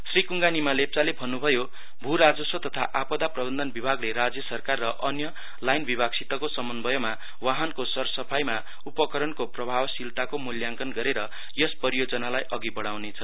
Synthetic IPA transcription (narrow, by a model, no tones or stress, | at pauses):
srikuŋɡanimalep̚t͡salebʱʌnːubʱʌjo | bʱuɾad͡zʌsot̪ʌt̪ʰaʔapʌd̪aprʌbʌnd̪ʌnbibʱaɡleɾad͡zjʌsʌrkarːʌʔʌnjʌ | lajnbibʱaɡsit̪ʌkosʌmʌnbʱʌjʌma | waɦʌnkosʌrsʌpʰajma | upʌkʌɾʌnkoprʌbʱawsilt̪akomuljaŋkʌnɡʌɾeɾʌ | jʌspʌɾijod͡zʌnalajʔʌɡibʌɽ̃awnet͡sʰʌ